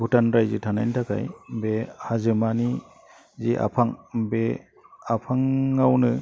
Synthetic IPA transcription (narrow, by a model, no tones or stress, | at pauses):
butanɾajzɯtʰanajntʰakʰa̰jbehazɯmani | ziʔa̰pʰaŋbe | apʰaŋːawnɯ